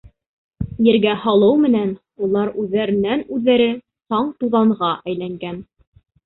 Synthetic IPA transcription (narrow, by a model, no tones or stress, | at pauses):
jɘ̆ɾɡæhɑlˠɤwmɘ̆næn | ulˠɑɾʉðːæɾɘ̆nænʉðːæɾɘ | t̪ɑɴt̪uðɑɴʁɑʔæjlæŋɡæn